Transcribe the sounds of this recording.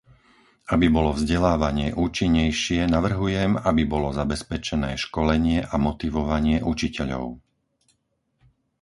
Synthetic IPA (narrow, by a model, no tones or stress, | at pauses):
abibɔlɔvzɟɛlaːʋaɲɪɛʔuːt͡ʃiɲːɛjʃɪɛnaʋr̩ɦujɛmabibɔlɔzabɛspɛt͡ʃɛnɛːʃkɔlɛɲɪɛʔamɔt̪iʋɔʋaɲɪɛʔut͡ʃicɛʎɔ̰ʊ